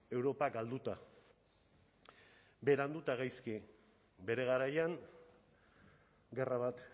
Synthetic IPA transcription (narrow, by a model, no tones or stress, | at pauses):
e̞wɾo̞paɡald̪ut̪a | be̞ɾand̪ut̪aɣajski | be̞ɾe̞ɣ̞aɾajaŋ | ɡe̞raβat̪